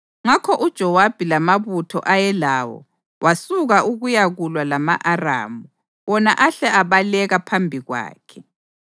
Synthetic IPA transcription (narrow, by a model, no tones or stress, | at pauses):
ŋakʰɔʔud̥ʒ̥ʱɔwab̥ʱilamaβutʰɔ̰ʔajɛlaːwɔ̰ | wʔasuɣaʔuɣujaɣulwalamaʔara̰ːmu | wɔnaʔaɬɛaβalɛɣapʰambʱiɣwa̰ːkʰɛ̥